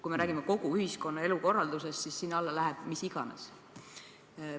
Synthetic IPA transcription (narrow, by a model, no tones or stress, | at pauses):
kujme̞ɾʔæːɡimeko̞ɡ̥uyhisko̞nːɑe̞luko̞rːɑld̪use̞st̪sisːiːnɑlːɑlæɦɛb̥misiɡ̥ɑ̰nes